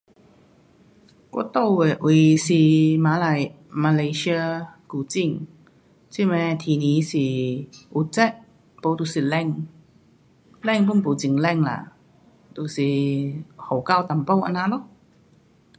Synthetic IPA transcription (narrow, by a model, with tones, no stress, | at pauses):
ko̰˧˥t̪o˥˧˩we˨˩ʔwi˧˩si˧maː˨˧˦la˨˩j | ma˧le˧si˧ə˧ku˧˩t͡ɕi˥˧˩ŋ | t͡ɕi˥˧˨mɛ̃˧t̪ʰiː˧niː˨˦si˨˩ʔu˧˦t͡sɛ˥˩ʔ̚ | po˧˦t̪u˨˩si˨˩lɛ˥˧˨ŋ | lɛ˥˩˨ŋpu˥˨npu˨˩t͡ɕi˨ŋlɛ˥˩ŋla̰˨ | t̪u˨˩si˨˩ | ho˨˩ka˥˧˨wt̪a˨mpo˥˧wʔa̰˧na˧˥lɔ˥˨ʔ